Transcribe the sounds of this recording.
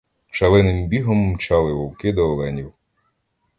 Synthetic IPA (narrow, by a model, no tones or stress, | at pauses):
t͡ʃɐlˠɪnɪmbʲiɦɔmːt͡ʃɑlˠɪʋɔwkɪd̪ɔːlˠɛnʲiw